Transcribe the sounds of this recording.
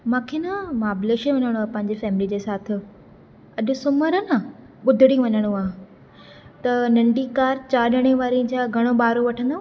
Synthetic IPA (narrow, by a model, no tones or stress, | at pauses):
mãːkʰeːnɐmaːbleʃeʋɐɲəɽ̃uaːpɐ̃ɦɪ̃ɲd͡ʑefɛːmɪlid͡ʑeːsaːt̪ʰɪ̆ | ɐʄʊ̆sʊməɾənɐ | ɓʊd̪ʱɪɽĩʋɐɲəɽ̃uaːɦ | t̪ɐnɐ̃ɳɖikaːɾt͡ɕaːɗəɽ̃ẽʋaːɾĩd͡ʑaːɡʱɐɽ̃oɓaːɾoʋɐʈʰə̃nd̪a